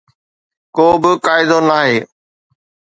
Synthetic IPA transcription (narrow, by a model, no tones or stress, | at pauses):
koːbɪkaːɪd̪onaːɦeː